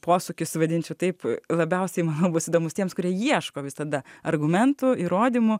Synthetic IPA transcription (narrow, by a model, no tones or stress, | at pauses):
poːsʊkʲɪsʋɐd̪ʲɪnʲt͡ʃʲɛʊt̪ɐɪplˠɐbʲɛʊsʲɛɪmɑːnɐʊbʊsiːd̪oːmʊst̪ʲiɛmskʊɾʲiɛjiɛʃkoːʋʲɪsɐd̪ɐɐrɡʊmʲɛnt̪ʊiːɾoːd̪ʲimʊ